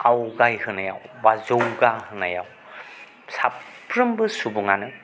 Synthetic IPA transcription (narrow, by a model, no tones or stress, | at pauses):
awɡajhɯnaja̰wbazowɡahɯnaja̰w | sappɾɯmbɯsubuŋanɯ